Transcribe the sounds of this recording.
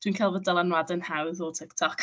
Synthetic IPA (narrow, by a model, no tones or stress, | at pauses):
d̥winkʰalˠvədəlˠanwadənhawɪðɔlˠtʰɪktʰɔk